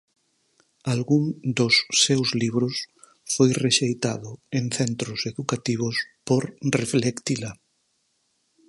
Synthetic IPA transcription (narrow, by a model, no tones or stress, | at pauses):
alɣuŋd̪ʊsːewzliβɾʊs | fojreʃejt̪aðʊeŋθɛnt̪ɾʊseðukat̪iβ̞ʊspoɾreflekt̪ila